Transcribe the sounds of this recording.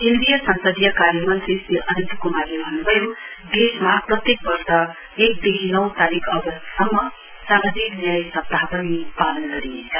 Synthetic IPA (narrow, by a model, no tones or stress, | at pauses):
ind̪ijʌsʌnsʌd̪ijʌkaɾjʌmʌnsisiʔʌnʌnt̪ikomaɾebʱʌnːubʱʌjod̪esmaprʌt̪jek̚bʌɾsʌ | ek̚d̪eɦinʌw̃t̪aɾikʰʌbʌst̪ʌmːʌ | samad͡zʱiknjajsʌpt̪apʌnipalʌnɡʌɾiet͡sʰʌ